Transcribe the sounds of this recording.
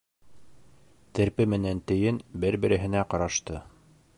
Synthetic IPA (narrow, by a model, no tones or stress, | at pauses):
t̪ɘ̆ɾpɘmɘ̆nænt̪ɘ̆jɘnbɘɾbɘ̆ɾɘ̆ɦɘ̆næqɑɾɑʃt̪ɤ